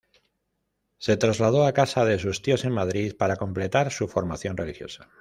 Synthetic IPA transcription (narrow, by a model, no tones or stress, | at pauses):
se̞t̪ɾazlað̞o̞akasaðe̞s̬ust̪io̞se̞ŋmaðɾiðpaɾako̞mple̞t̪aɾsufo̞ɾmaθjo̞nre̞lixjo̞̰sḁ